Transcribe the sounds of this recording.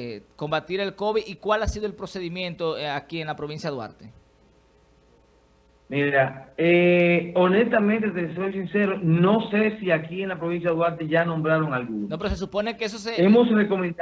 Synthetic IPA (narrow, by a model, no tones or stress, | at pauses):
ko̞mbat̪iɾelko̞βiðikwalasiðoelpɾo̞se̞ðimjẽnt̪o̞akienlapɾoβinsjaðwa̰ɾt̪e | miɾaeonest̪amẽnt̪et̪eso̞jsinse̞ɾonõ̞sesiakieŋlapɾoβinsjaðwaɾt̪eʝanõ̞mbɾaɾo̞ŋalɣunnonopeɾos̬e̞s̬upo̞nekees̬os̬eemosreko̞mẽn